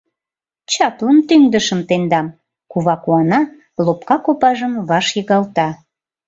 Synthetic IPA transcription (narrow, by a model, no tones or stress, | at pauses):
t͡ɕɑplənt̪yŋd̪əʃəmt̪end̪ɑm | kuβɑkuɑnɑ | lopkɑkopɑʒəmβɑʃjəɣɑlt̪ɑ